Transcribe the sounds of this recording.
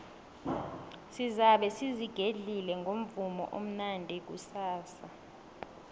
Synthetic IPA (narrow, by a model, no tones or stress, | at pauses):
sizaɓɛsiziɡ̥ʱeɮilɛŋɡʱom̩vumɔ̰ʔom̩nandʱɛk̬usaːsa